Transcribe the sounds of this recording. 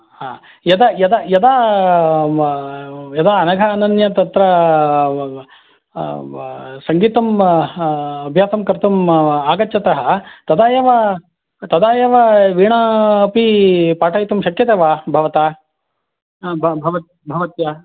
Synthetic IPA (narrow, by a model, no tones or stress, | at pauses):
haː | jɐd̪ɐjɐd̪ɐjɐd̪aː | jɐd̪aːɐnɐɡʱɐːnɐnjɐt̪ɐt̪ɾɐ | sɐŋɡiːt̪ɐm | ɐbʱjaːsɐmkɐɾt̪umaːɡɐt͡ʃːt͡ʃːɐt̪ɐɦɐt̪ɐd̪aːjɐʋɐ | t̪ɐd̪aːjɐʋɐʋiːɳɐːpipaːʈʰɐːjt̪umʃɐkjɐt̪eːʋaːbʱɐʋɐt̪aː | bbʱɐʋɐt̪ | bʱɐʋɐt̪jɐ